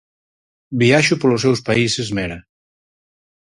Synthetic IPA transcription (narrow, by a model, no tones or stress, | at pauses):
biaʃʊpolʊsewspaisezmɛɾɐ